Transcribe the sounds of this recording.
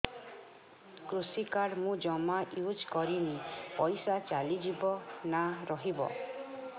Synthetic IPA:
kɾusikaɽmũd͡ʒɔmaʔjud͡ʒkɔɾinipɔjsat͡ʃalid͡ʒibɔnaɾɔɦibɔ̰

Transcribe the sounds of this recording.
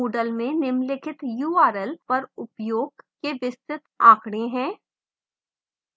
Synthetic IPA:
oːɖəlmẽnɪmlɪkʰɪt̪juːaːɾɛlpɐɾʊpjoːɡkeʋɪst̪ɾɪt̪aːkʰɽ̃ẽɦɛ̃ː

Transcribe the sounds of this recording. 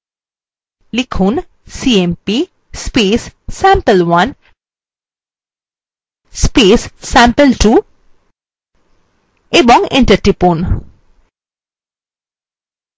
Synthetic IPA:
likʰuːn | siempi | speːsːæ̃mpəlʋɐn | speːssæ̃mpəlʈuː | ebɔ̃ŋɡɪ̃ɳʈəɾʈipun

